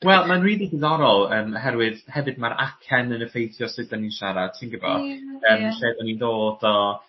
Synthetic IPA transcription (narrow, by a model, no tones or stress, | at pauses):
wɛlˠmanriːðiɡɪðɔɾɔlˠəːmɦɛɾwɨðhɛvɨd̚maɾʔa̰kʰɛnənəfejθjɔsɨdaninʃaɾḁtʰinɡəbɔ̰əːmɬeːðɔninðoːdɔ